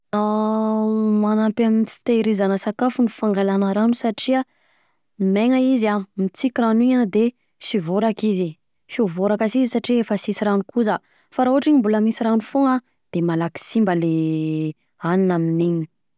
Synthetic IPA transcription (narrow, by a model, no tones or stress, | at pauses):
a | manapaminifi̥t̪eɾizanəsakafunifaŋɡalanəɾanusaʈ͡ʂia | meŋaizamit͡sikiranuiɲad̪e | sivoɾakizi | fiuvoɾakasizisaʈ͡ʂiefəsisiɾanukuza | faɾauɦaʈ͡ʂiɲimbuləmisiɾanufoŋa | d̪̥emalaki̥simbəle | aninaminiɲi̥